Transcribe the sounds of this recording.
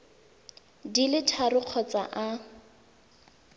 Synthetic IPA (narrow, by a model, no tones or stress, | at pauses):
dilɪtʰarʊq͡χʰɔt͡sa̰ʔa